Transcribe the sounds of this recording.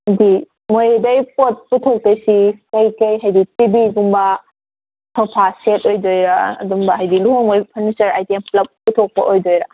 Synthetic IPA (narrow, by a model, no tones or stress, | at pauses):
hjdi | mojdɐjpot̚putʰok̚tɐjsikɐjkɐjɦajditibiɡuŋbɐ | tʰɔwpʰasetojdojɾɐ̰ːduŋbɐɦajdiluɦoŋojpʰɐɾnisɐɾajtemplɐb̚pːutʰok̚pɐ̰ʔojdojɾɐ